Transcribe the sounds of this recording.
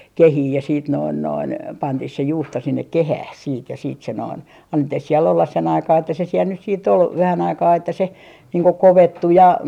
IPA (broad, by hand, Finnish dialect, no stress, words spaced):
kehiː jɑ siːt noin noin pɑntih se juːsto sinːek kehæh siːt jɑ siːt se noin ɑnːetːih siel olːɑs sen ɑikɑː etːæ se siel nys siːtː ol ʋæhæn ɑikɑː etːæ se niːŋ ko koʋetːu jɑ